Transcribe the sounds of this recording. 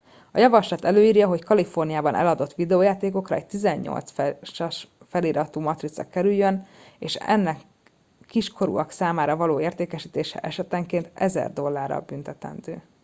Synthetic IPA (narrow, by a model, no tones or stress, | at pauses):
ɒjɒvɒʃlɒt̪ɛløːiːrjɒɦo̞ckɒlifo̞rnijaːbɒnʔɛ̰lɒd̪o̞t̪ːʋid̪ɛoːjaːt̪eːko̞krɒɛc̚t̪izɛɲːo̞̰lt̪sfʃɒʃ | fɛliɾɒt̪uːmɒt̪ɾit̪sɒ̰kɛɾyljøneːʃɛ̰nːɛkː | iʃkʰo̞ɾṵɒksaːmaːɾɒvɒloːeːrt̪eːkɛʃiːt̪eːʃɛ̰ʔɛʃɛt̪ɛŋkeːnt̪ɛzɛ̰rd̪o̞lːaːrɒ̰bynt̪ɛt̪ɛ̰nd̪øː